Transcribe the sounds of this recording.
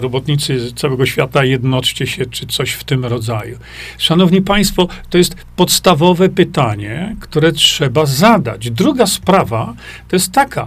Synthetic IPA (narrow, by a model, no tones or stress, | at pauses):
ɾɔbɔt̪ɲit̪sɘt̪sawɛɡɔɕfʲjat̪ajɛd̪nɔt͡ʂt͡ɕɛɕɛt͡ʂɘt̪sɔɕft̪ɘmɾɔd̪zaju | ʂanɔvɲipaj̃st̪fɔt̪ɔjɛst̪ | pɔt̪st̪avɔvɛpɘt̪aɲɛkt̪uɾɛtʂɛbazad̪a̰d͡ʑd̪ɾuɡaspɾavat̪ɔjɛst̪ːakʰa